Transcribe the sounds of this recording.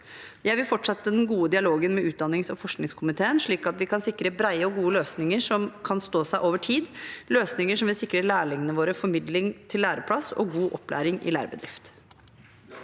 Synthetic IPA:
jæɪʋɪlfɔʈʂɛt̪ːəd̪ɛnɡuːəd̪ɪɑloːɡənmɛʔʉːt̪̚d̪ɑnːɪŋsɔfɔʂknɪŋskʰʊmɪt̪ʰeːənʂɭiːkɑt̪ʋɪkʰɑnsɪkːɾəbɾæɪəɔɡuːəløːsnɪŋəʂɔmkʰɑnst̪oːsæɪʔoːʋəʈʰiːd̪løːsnɪŋəʂɔmʋɪlsɪkːɾəɭæːɭɪŋənəʋoːɾəfɔɾmɪd̪lɪŋt̪ʰɪlːæːɾəpʰɽɑsɔ̰ɡuːʔɔpːlæ̰ːɾɪŋɪ̰læ̰ːɾəbəd̪ɾɪft̪

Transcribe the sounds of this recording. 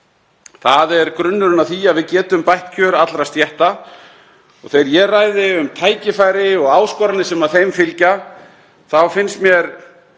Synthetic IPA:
θaðɛɾkɾʏnːʏɾʏnaθiaðvɪðcɛːt̪ʏmpajht̪cʰœɾat̪lɾast̪jɛht̪a | ɔɣθejɾjɛrajðɪʏmt̪ʰaːjcɪfajɾɪɔɣaːwskɔɾanɪsɛmaðθejmfɪlca | θawfɪnst̪mjɛɾ

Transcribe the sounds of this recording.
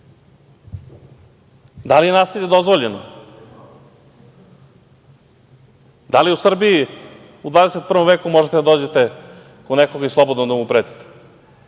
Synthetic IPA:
d̪alije̞naːsilʎʲe̞d̪o̞zʋoʎeno | d̪aliusr̩bii | ud̪vaːd̪eset̪̚pr̩ʋomveːkumo̞ʒet̪ed̪ad̪oːd͡ʑet̪e | konekoɡaislˠobod̪nod̪amupɾeːt̪i̥t̪e̥

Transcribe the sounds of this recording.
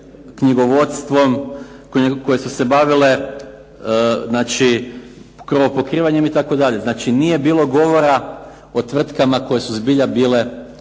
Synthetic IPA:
kɲiɡo̞ʋo̞t̪st̪ʋo̞mkko̞je̞suse̞baʋile̞ | znaːt͡ʃi | kɾʋo̞po̞kɾiːʋaɲemit̪ako̞d̪aʎe̞znaːt͡ʃinije̞biːlˠo̞ɡo̞ʋo̞ɾa | o̞t̪ʋr̩t̪kamako̞jesuzbiʎabiːle̞

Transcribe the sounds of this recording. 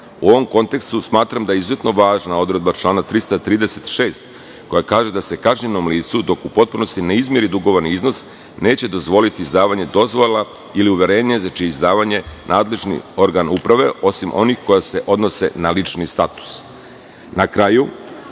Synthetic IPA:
uo̞ʋo̞mko̞nt̪e̞kst̪usmaːt̪ɾamd̪ajeizuze̞t̪no̞ʋaːʒnao̞d̪ɾe̞d̪bat͡ʃlˠaːnat̪ɾist̪at̪ɾiːd̪ese̞t̪ʃe̞ːst̪ | ko̞jakaːʒed̪ase̞kaʒɲenomliːt̪sud̪o̞kupo̞t̪̚puno̞st̪ineizmjeɾid̪uɡo̞ʋoɾniizno̞s | ne̞ːt͡ɕe̞d̪o̞zʋo̞lit̪iːzd̪aːʋaɲe̞d̪o̞zʋolˠa | iliuʋe̞ɾeːɲezat͡ʃiizd̪aːʋaɲe̞nʔaːd̪le̞ʒnḭo̞ɾɡanupɾaʋe̞o̞simʔo̞nixko̞jase̞ʔo̞d̪no̞se̞̰nalit͡ʃnist̪at̪u̥s | nakɾaju

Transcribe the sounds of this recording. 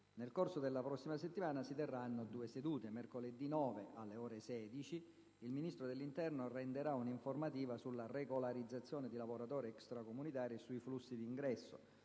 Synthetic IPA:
nelkorsod̪elːapɾɔsːimaset̪ːimaːnasit̪erːanːod̪uːesed̪uːt̪emerkoled̪ːinɔːveʔalːeɔːɾesɛːd̪it͡ʃi | ilminist̪ɾod̪elːint̪ɛrnorɛnd̪eɾauniɱformat̪̬iːvasulːareɡolaɾid̪zːat̪sːjɔːned̪ilavoɾat̪ɔːɾiɛkst̪ɾakomunit̪aːɾiesuiflusːid̪iiŋɡɾɛsːo̰

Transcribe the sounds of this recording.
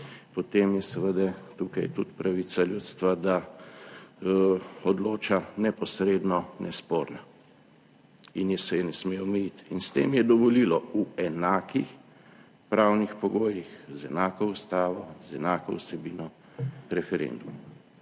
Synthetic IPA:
pɔt̪emjɛsɛʋəd̪ɛt̪ukajt̪ut̪pɾaʋisaljuːt̪st̪ʋad̪a | ɔd̪loːt͡ʃanɛpɔsɾeːd̪nɔnʔɛspoːɾna | injɛsɛjɛnɛsmewmɛjit̪inst̪ḛːmjɛd̪ɔʋɔlilɔuɛnaːkix | pɾawnixpɔɡoːjixzɛnaːkɔust̪aːʋɔzɛnaːkɔwsɛbiːnɔ | ɾɛfɛɾḛnd̪uma

